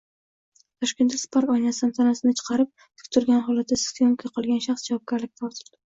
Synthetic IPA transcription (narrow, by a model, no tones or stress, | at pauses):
t̪ʰɒʃkʲe̞nt̪ʰɪspʰaɾkɒjnasd̪nt̪ʰanasɪnɪt͡ʃʰɨ̥qʰɑɾɪp̚ | t̪ʰʊ̥k̚ʲt̪ʰʊɾɡʲanɦɒlat̪̚ʰd̪asɪ̥t̪joŋkʰajqʰɒlˠɡʲanʃaχsd͡ʒavɒp̚ɡʲaɾlɪk̚ʲt̪ʰaɒt̪ʰɪ̥ld̪ɪ